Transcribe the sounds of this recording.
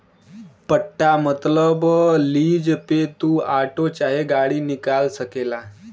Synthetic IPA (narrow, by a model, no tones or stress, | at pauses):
pəʈːamət̪ləbliːd͡zpet̪uaʈot͡ɕaɦeɡaɽiːnikalsəkela